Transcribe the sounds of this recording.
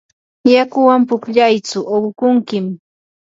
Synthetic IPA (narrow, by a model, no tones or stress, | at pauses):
jakʊwampʊkʎajt͡sʊʔowkʊŋkɪm